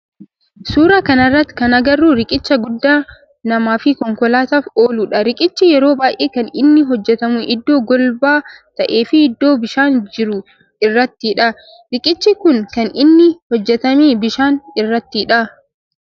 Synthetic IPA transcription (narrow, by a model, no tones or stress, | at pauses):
suːɾɐkɐnɐrːɐt̪ːɪ̥kɐnɐɡɐrːuːɾɪkʼɪt͡ʃːɐɡʊd̪ːaː | nɐmaːfɪkɔŋkɔlaːt̪aːfoːluːᶑɐɾɪkʼɪt͡ʃːɪjɛɾo̞ːbaːʔeːkɐnɪnːɪɦɔd͡ʒːɛt̪ɐmʊʔɪd̪ːo̞ːɡɔlbaːt̪ɐʔe̞ːfɪːd̪ːo̞ːbɪʃaːnd͡ʒɪɾʊ | ɪrːɐt̪ːɪᶑɐ | ɾɪkʼɪt͡ʃːɪkʊŋkɐnɪnːɪhɔd͡ʒːɛt̪ɐmiːbɪʃaːnɪrːɐt̪ːɪᶑɐ